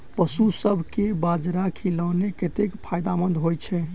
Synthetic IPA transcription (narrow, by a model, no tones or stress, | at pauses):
pəsusəbʱkebad͡ʒɾakʰiləneket̪ekpʰajd̪amənd̪ɦojt͡ʃʰɛ